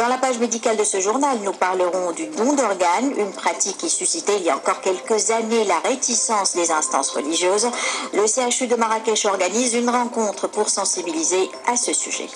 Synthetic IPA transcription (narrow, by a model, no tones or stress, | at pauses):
d̪ɑ̃lapaʒmed̪ikald̪əsəʒuʁnalnupaʁləʁɔ̃d̪yd̪ɔ̃d̪ɔʁɡanynpχat̪ikʲːisysit̪eiljaɑ̃kɔʁkʲɛlkəzanelaʁet̪isɑ̃sd̪ezɛ̃st̪ɑ̰̃sʁəliʒjøːzləseaʃyd̪əmaʁakɛʃɔʁɡanizynʁɑ̃kɔ̃t̪χəpuʁsɑ̃sibilize | asəsy̰ʒɛ̰